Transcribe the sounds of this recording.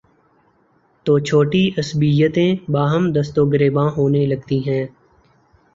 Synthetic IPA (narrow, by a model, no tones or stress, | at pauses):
t̪oːt͡ʃʰoːʈiʔəsbijət̪ẽːbaːɦəmd̪əst̪oːɡəɾeːbãːɦoːneləɡ̚t̪iːɦɛ̃ː